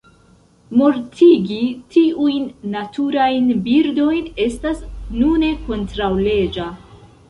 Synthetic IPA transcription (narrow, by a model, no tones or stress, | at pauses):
mo̞ɾtʰiɡitʰiujnːatʰuɾajnbiɾdo̞jne̞stasnune̞ko̞ntɾawle̞d͡ʒa